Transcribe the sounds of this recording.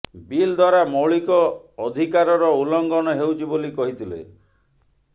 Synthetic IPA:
bild̪ʱwaɾamɔɭikɔːd̪ʱikaɾɔɾɔulɔŋɡɔnɔɦewt͡ʃʰibolikɔɦit̪ʰilḛ

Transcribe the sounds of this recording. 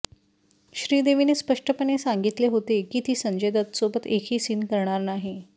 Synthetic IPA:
ɕɾiːd̪eʋinespəʂʈʰəpənesaŋɡit̪leɦot̪ekit̪ʰiːsəɲd͡ʑed̪ət̪sobət̪ekʰiːsinkəɾɳ̃aɾnaɦi

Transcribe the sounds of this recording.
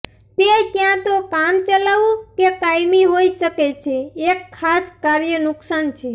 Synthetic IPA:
t̪ekjãt̪okamt͡ʃəlaʋũkekajmiɦoiʃəket͡ʃʰeːkʰːaskaɾjənʊksant͡ʃʰe

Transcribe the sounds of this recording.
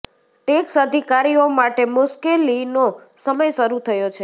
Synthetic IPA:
ʈeksəd̪ʱikaɾiomaʈemʊʃkelino | səməjʃəɾut̪ʰəjot͡ʃʰe

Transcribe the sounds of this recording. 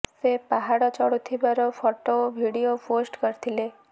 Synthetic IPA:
sepaɦaɽot͡ʃɔɽut̪ʰibaɾofʰɔʈobʱiɽijoposʈkəɾt̪ʰile

